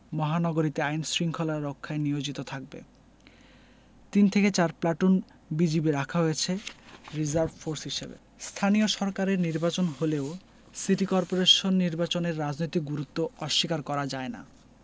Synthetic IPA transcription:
mɔɦanɔɡoɾit̪eajnsɾiŋkʰolaːokʰːaeniod͡ʑit̪ot̪ʰak̚bḛ | t̪int̪ʰeket͡ɕaɾplaʈun | bid͡ʑibiɾakʰaɦojet͡ɕʰeɾizaɾbfoɾsɦiʃebḛ | st̪ʰanioʃɔɾkaɾeɾniɾbat͡ɕonɦoleo | siʈikɔɾpoɾeʃonːiɾbat͡ɕoneɾːad͡ʑnojt̪ik̚ɡuɾut̪ːoɔʃːikaɾkɔɾad͡ʑaena̰

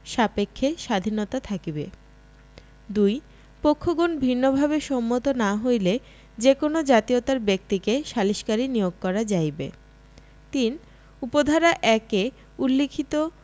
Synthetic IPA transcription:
ʃapekʰːeʃad̪ʱinot̪at̪ʰakibe | d̪uj | pokʰːoɡonbʱinːobʱaβeʃɔmːot̪onaɦojle | d͡ʑekonod͡ʑat̪iot̪aɾbek̚t̪ikeʃaliʃkaɾinijoɡ̚kɔɾad͡ʑajbḛ | t̪in | upod̪ʱaɾaʔɛke | ulːekʰit̪o

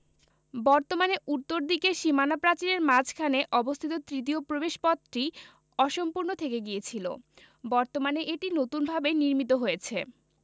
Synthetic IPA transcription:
bɔɾt̪omaneʔut̪ːoɾd̪ikeʃimanapɾat͡ɕileɾmad͡ʑʰkʰaneʔɔbost̪ʰit̪ot̪ɾit̪̬iopɾobeʃpɔt̪ːɾi | ɔʃompuɾnot̪ʰekeɡijet͡ɕʰilo̰ | bɔɾt̪omaneʔeʈinot̪unbʱabeniɾmit̪̬oɦojet͡ɕʰe

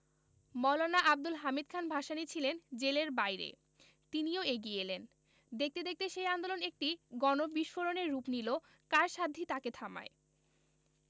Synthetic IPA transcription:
mɔlonaʔab̚d̪ulɦamid̪̚kʰanbʱaʃanit͡ɕʰilend͡ʑeleɾbajɾḛ | t̪inioeɡielen | d̪ek̚t̪ed̪ek̚t̪eʃejand̪olonek̚ʈiɡɔnobiʃfoɾoneɾːupnilo | kaɾʃad̪ʱːit̪aket̪ʰama̰e

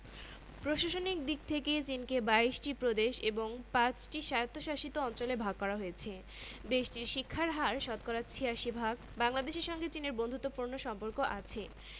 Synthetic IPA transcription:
pɾoʃaʃonik̚d̪ik̚t̪ʰekejt͡ɕinkebaiʃʈipɾod̪eʃeboŋpãt͡ɕʈiʃajot̪ːoʃaʃit̪oɔnt͡ɕolebʱaɡ̚kɔɾaɦoet͡ɕʰe | d̪eʃʈiɾʃikʰːaɾɦaɾʃɔt̪kɔɾat͡ɕʰiaʃibʱaɡ | baŋlad̪eʃeɾʃɔŋɡet͡ɕineɾbond̪ʱut̪ːopuɾnoʃɔmpoɾkoʔat͡ɕʰe

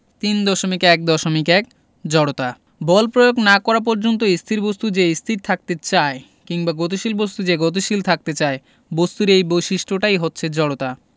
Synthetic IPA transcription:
t̪ind̪ɔʃomikɛk̚d̪ɔʃomikɛk̚ | d͡ʑɔɽot̪a | bɔlpɾojoɡnakɔɾap̬ɔɾd͡ʑont̪̬oist̪ʰiɾbost̪ud͡ʑeist̪ʰiɾ̚t̪ʰak̚t̪et͡ɕae | kiŋbaɡot̪iʃilbos̬t̪ud͡ʑeɡot̪̬iʃilt̪ʰak̚t̪et͡ɕae | bost̪uɾejbojʃiʃʈʰoʈajɦotːɕʰed͡ʑɔɽot̪a

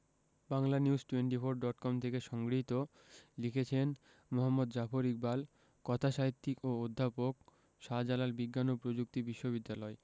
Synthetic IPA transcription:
baŋlaniuzʈueɳʈifoɾɖɔʈkɔmt̪ʰekeʃɔŋɡɾiit̪o | likʰet͡ɕʰen | moɦamːod̪d͡ʑafoɾik̚bal | kɔt̪ʰaʃaɦit̪ːikood̪ʱːapok̚ | ʃad͡ʑalaɾbiɡːanopɾod͡ʑuk̚t̪ibiʃːobid̪ːalɔe

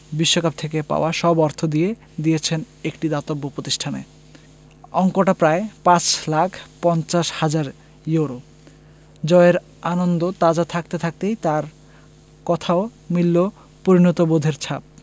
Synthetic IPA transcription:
biʃːokap̚t̪ʰekepa̰oaʃɔbɔɾt̪ʰod̪ije | d̪ijet͡ɕʰen | ekʈid̪at̪obːopɾot̪iʃʈʰanḛ | ɔŋkoʈapɾaepãt͡ɕlakʰpɔnt͡ɕaʃhad͡ʑaɾ | jewɾo | d͡ʑɔeɾ | anond̪ot̪ad͡ʑat̪ʰak̚t̪et̪ʰak̚t̪ejt̪aɾ | kɔt̪ʰaomilːo | poɾinot̪obod̪ʱeɾt͡ɕʰap̚

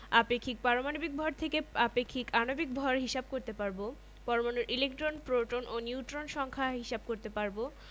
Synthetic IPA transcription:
apekʰːik̚paɾomanobik̚bʱɔɾt̪ʰekeapekʰːikanobik̚bʱɔɾɦiʃab̚koɾt̪epaɾbo | pɔɾomanuɾʔilekʈɾonpɾoʈononiuʈɾonʃɔŋkʰaɦiʃab̚koɾt̪epaɾbo

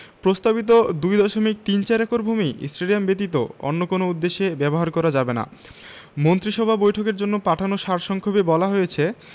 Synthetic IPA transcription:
pɾost̪abit̪̬od̪ujd̪ɔʃomik̚t̪int͡ɕaɾɛkoɾbʱumiḭsʈɾeliambet̪̬it̪o̰o̰nːokonoud̪ːeʃebɛboɦaɾkɔɾad͡ʑabena̰ | mont̪ɾiʃɔbʱabojʈʰokeɾd͡ʑonːopaʈʰanoʃaɾʃɔŋkʰobebɔlaɦojet͡ɕʰe

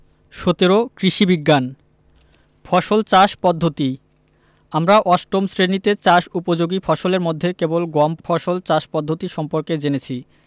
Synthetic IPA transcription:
ʃot̪eɾokɾiʃibiɡːan | fʰɔʃolt͡ɕaʃpɔd̪ʱːot̪i | amɾaʔɔsʈomsɾenit̪et͡ɕaʃupod͡ʑoɡifʰɔʃoleɾmod̪ʱːekebolɡɔmfʰɔʃolt͡ɕaʃpɔd̪ʱːot̪iʃɔmpoɾked͡ʑenet͡ɕʰi

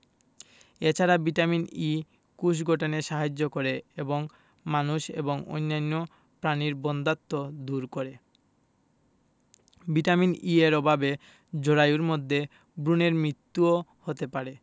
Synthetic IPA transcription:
et͡ɕʰaɾabiʈamini | kuʃ̬ɡʱoʈoneʃaɦad͡ʑːokoɾeeboŋ | manuʃḛboŋo̰jnːanːo | pɾaniɾbɔnd̪at̪ːod̪uɾkoɾe | biʈaminieɾɔbʱabe | d͡ʑoɾajuɾmod̪ʱːe | bɾuneɾmɾit̪ːuohot̪epaɾe

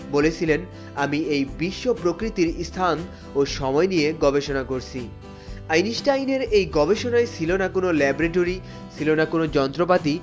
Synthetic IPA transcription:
bolet͡ɕʰilen | amiejbiʃːopɾokɾit̪iɾist̪ʰan | oʃɔmɔenijeɡɔbeʃonakoɾt͡ɕʰi | ajniʃʈajneɾejɡɔbeʃonaet͡ɕʰilonakonolɛbɾeʈ̬oɾi | t͡ɕʰilonakonod͡ʑɔnt̪ɾopat̪i

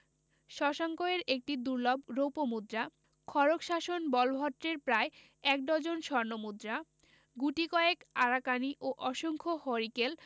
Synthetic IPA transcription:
ʃɔʃaŋkoeɾek̚ʈid̪uɾlobɾowpomud̪ɾa | kʰɔɾokʃaʃonbɔlbʱɔʈɾeɾpɾae | ɛk̚d̪ɔd͡ʑonʃɔɾnomud̪ɾa | ɡuʈikɔekaɾakaniʔoʔɔʃoŋkʰohɔɾikel

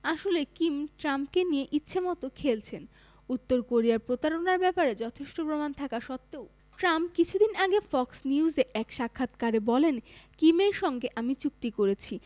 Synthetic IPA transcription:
aʃolekimʈɾamp̚kenijeʔitːɕʰemɔt̪okʰelt͡ɕʰen | ut̪ːoɾkoɾiaɾpɾot̪aɾonaɾbɛpaɾed͡ʑɔt̪ʰeʃʈopɾomant̪ʰakaʃɔt̪ːeo | ʈɾampkit͡ɕʰud̪inaɡefɔksniuzeʔɛkʃakʰːat̪kaɾebɔlenkimeɾʃɔŋɡeʔamit͡ɕuk̚t̪ikoɾet͡ɕʰi

